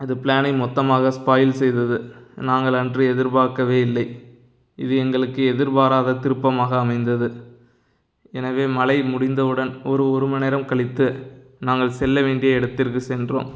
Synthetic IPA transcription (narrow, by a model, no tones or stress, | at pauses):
ɪðɯpɪlaːnɐɪmɔt̪ːɐmaːɣɐspaːjɪlsɛjðɐðɯnaːŋɡɐɭɐndrɯɛðɪɾbaːkːɐʋeːɪlːɐɪ | ɪðɯɛŋɡɐɭɯkːɯɛðɪɾbaːɾaːðɐt̪ɪɾɯpːɐmaːɣɐːmɐɪnd̪ɐðɯ | ɛnɐʋeːmɐlɐɪmʊɽɪnd̪ɐʋɯɽɐnɔɾɯɔɾɯmɐnɛɪɾɐmkɐɭɪt̪ːɯnaːŋɡɐɭsɛlːɐʋeːɳɖɪjɐɛɽɯt̪ːɪɾkɯsɛndro̰ːm